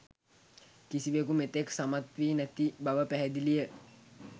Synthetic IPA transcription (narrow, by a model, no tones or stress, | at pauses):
kisiʋekumet̪eksamat̪ʋiːnæt̪ibaʋəpæɦɛd̪ilijə